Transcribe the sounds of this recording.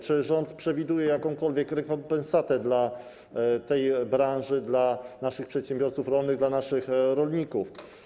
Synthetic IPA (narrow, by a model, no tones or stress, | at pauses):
t͡ʂɘʐɔnt̪pʂɛvʲid̪ujɛjakɔ̃w̃kɔlvʲjɛkɾɛkɔmpɛnsat̪ɛd̪la | t̪ɛjbɾanʐɘd̪lanaʂɘxpʂɛt̪ɕɛmbʲjɔɾt̪sufɾɔlnɘɣd̪lanaʂɘxɾɔlɲikuf